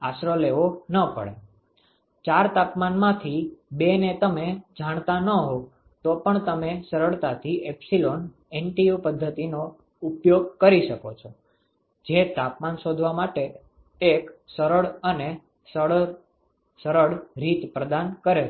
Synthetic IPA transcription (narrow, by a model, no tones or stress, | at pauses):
aʃɾəleʋonəpə̰ɭe | t͡ʃaɾt̪apmanmãt̪ʰibenet̪əmed͡ʒaɳ̃t̪anəɦo | t̪opəɳt̪əmesəɾəɭt̪at̪ʰiʔepsilon | enʈijopəd̪ʱːət̪ino | upjoɡ̚kəɾiʃəkot͡ʃʰo | d͡ʒet̪apmanʃod̪ʱʋamaʈe | eksəɾəɭəne | sə | səɾəɭɾit̪pɾəd̪ankəɾe